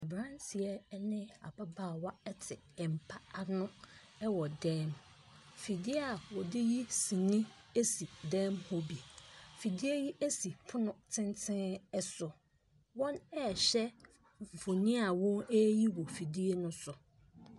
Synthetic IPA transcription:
ɛ˨bɾã˦nsi˨ɛ˦nɪ̃˦a̰˨ba˦baː˦˨wa˦ɛ˦tʰɪ˨ | ɛ˨m̩˨pʰa˦a˦nʊ̃˦ | ɛ˦wɔ˨dɛ̃ː˦m | fi˨di˦e˦a˨wɔ˨dɪ˦ji˦sĩ˨nĩ˦ | e˦si˨dɛ̃ː˦mhɔ˦bi˨e˨fi˨di˦e˦ji˦ʔe˦si˨pʰʊ˦nʊ̃˨tʰɪ̃˦ntʰɪ̃˦ɛ˦sʊ˨ | wɔ̃˦nɛ˦˨ɕɛ˦˨ | f̩˨fõ˨nĩ˦a˨wɔ̃˦ne˦ji˦wɔ˨fi˨di˦e˦nʊ̃˦sʊ˨

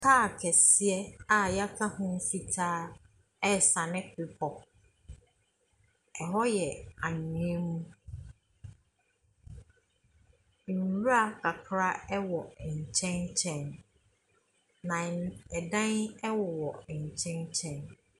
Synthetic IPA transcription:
kʰaː˦˨kʰɛ˨si˦ɛ˦a˨ja˦kʰa˦hʊ̃˦n̩˦fi˦tʰaː˦ | ɛ˦sa˨nɪ̃˦pɪ˨pʰɔ˨ | ɛ˨ɦɔ˦jɛ˨a˨ɲĩ˨ẽ˦mũ˦ | n̩˨ɾu˦a˨kʰa˨kʰɾa˦ɛ˦wɔ˨ɲ̩˨t͡ɕʰɛ̃˦nt͡ɕʰɛ̃˦n | nã˨ɛ˨dã˦nɛ˦wɔ˨wɔ˨ɲ̩˨t͡ɕʰɛ̃˦nt͡ɕʰɛ̃˦n

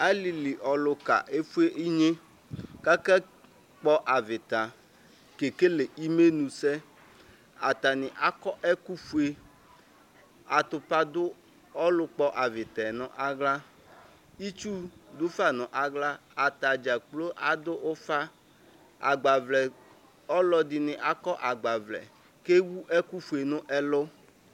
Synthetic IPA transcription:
a˦li˨li˨ʔɔ˨lʊ˨ka̰˨ʔe˦fu˦e˦ʔi˦ɲẽ˦ | ka˦kɛ˦ | k͡pɔ˦ʔa˨vɪ˨t̪a˨ | ke˨ke˦le˨i˦me˦nũ˨sɛ˦ | a˨t̪a˨nɪ̃˨ʔa˦kɔ˦ʔɛ˦ku˦fu˦e˦ | a˨t̪ʊ˨pa˦d̪ʊ˦ | ɔ˦lʊ˦k͡pɔ˦ʔa˨vɪ˨t̪ɛ˨nɔ̃˨ʔa˨ɡla˦ | i˦t͡ʃu˦dʊ˦fa˦˨nɔ̃˨ʔa˨ɡla˦a˨t̪a˨d͡ʒa˨k͡plo˦ʔa˨d̪ʊ˦ʔo˦fa˦ | a̰˨ɡ͡ba˨vlɛ˨ | ɔ˦lɔ˦dɪ˨nɪ̃˨ʔa˨kɔ˦ʔa˨ɡ͡ba˨vlɛ̰˨ | ke˦wu˦ʔɛ˦ku˦fu˨e˨nʊ̃˦ʔɛ˦lo˦

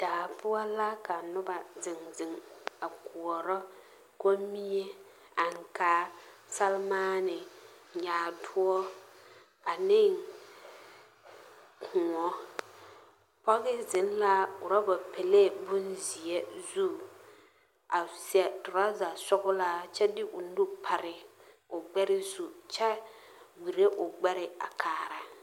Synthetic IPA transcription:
d̥aː˨pʊ˦a˦la˦ka˨nʊ˦ba˨zɪ˨ŋzɪ˨ŋa˨ku˨ɔ˨ɾɔ˦ | ko˦mi˦ɲɛ˦ | a˨ŋ˨kaː˦ | sa˦lmaː˦nɪ˨ɲaː˨˦˨dʊ˦ɔ˦ | a˨nɪ˦ŋ | kʰʊ˨ŋɔ˦ | pɔ˦ɣɪ˦zɪ˨˦n˦la˦ʊ˨ɾa˦ba˨pɛ˨le˦˨bʊ˦nzi˨ɛ˦zu˦ | a˨sɛ˨tʊ˨ɾa˦za˨sɔ˦ɣʊ˦la˦t͡ʃɛ˦dɪ˦ʔʊ˨nu˦pʰa˨ɾɪ˨ | ʊ˨ɡ͡bɛ˦ɾɪ˦su˨t͡ʃɛ˦ | wi˨ɾe˦ʔʊ˨ɡ͡bɛ˦ɾɪ˦a̰˨kʰaː˨ɾa˨

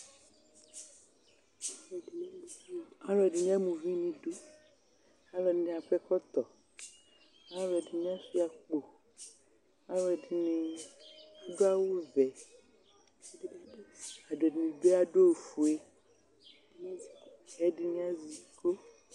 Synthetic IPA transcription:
a˦lɔ˨ɖi˨nĩ˦a˦mũ˨vĩ˦nĩ˨ɖo˦ | a˦lɔ˨di˨˦nẽ˨a˨ɸɛ˦kɔ˦t̪ɔ˨ | a˦lɔ˨ɛ˨di˨ɲĩ˦a˦fi˦a˨k͡po˨ | a˦lɔ˨di˨nẽ˨ | a˦ɖo˦a˦wo˦vɛ˨˦ | a˨ɖɔ˨dnĩ˨be˦a˨ɖo˦˨fu˨e˦ | ɛ˦di˦nĩ˦a˦zi˨˦ko˦

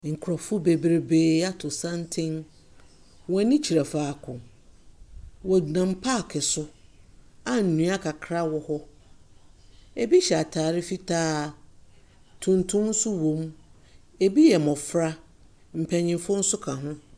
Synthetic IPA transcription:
ŋ̩˨kʰʊ˨ɾɔ˨fʊ˦be˨bɾe˦beː˦a˦tʰʊ˨sã˦n˦tʰɪ̃˦n | wɔ̃˨˦nĩ˦t͡ɕʰi˨ɾa˨faː˨kʰʊ̃˨ | wɔ˨nã˨m˦pʰa˦˨kʰɛ˨sʊ˦ | a˦n̩˨nũ˨˦a˦kʰa˨kʰɾa˦wɔ˨hɔ˦ | e˨bi˦ɕɛ˨a˨tʰaː˨ɾɪ˦fi˦tʰaː˦ | tʰũ˨ntʰʊ̃˦mn̩˦sʊ˦wõ˨m | e˨bi˦jɛ˨mɔ̃˨fɾa˦ | m̩˨pʰɛ̃˨ɲɪ̃˨nfʊ̃˦n̩˦sʊ˦kʰã˨ɦʊ̃˦

